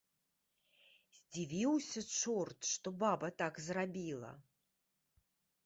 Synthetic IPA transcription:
zʲd͡zʲivʲiwsʲɐt͡ʂɔrt̪ʂt̪ɔbabɐt̪akzrabʲilˠɐ̰

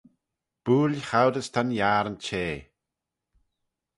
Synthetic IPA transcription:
b̥uːlxawdəst̪ʰanjaːɾənt͡ʃʰeː

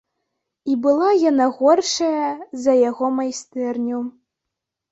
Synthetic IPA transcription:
ibɨlˠajanaɣɔrʂɐjɐzɐjaɣɔmajst̪ɛrnʲu

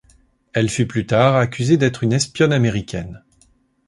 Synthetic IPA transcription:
ɛlfyplyt̪aʁakʲyzed̪ɛt̪χynɛspjɔnameʁikʲʰɛn

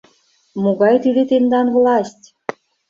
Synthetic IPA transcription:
moɡɑjt̪id̪et̪end̪ɑnvlˠɑsʲtʲ

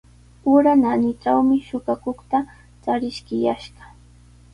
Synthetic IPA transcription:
ʊɾananɪt͡ʃawmɪʃʊɢɑkoχt̪a | t͡saɾɪʃkɪjaʃɢɑ̥

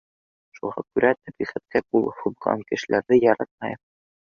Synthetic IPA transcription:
ʃuʁɑkʉɾæt̪ɘpisɑt̪̚kæq̚ulˠhuðʁɑ̰ŋkɘ̆ʃɘ̆lʔæɾðɘjɒɾɑt̪̚mɑj

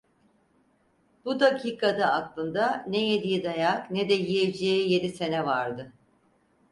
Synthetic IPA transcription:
b̥ud̪acʰiːkʰad̪aːklˠɯnd̪aneje̞d̪ijid̪ajaknɛd̪ɛjijed͡ʒejije̞d̪ise̞nɛvaɾd̪ɯ

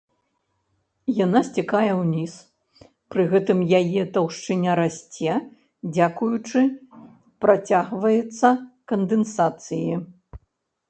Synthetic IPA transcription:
janasʲt͡sʲikajɛwnʲis | pɾɨɣɛt̪ɨmjajɛt̪ɐwʂt͡ʂɨnʲaɾasʲt͡sʲɛ | d͡zʲakujut͡ʂɨ | pɾat͡sʲaɣvɐjɛt̪sːɐkɐnd̪ɛnsat̪sɨji

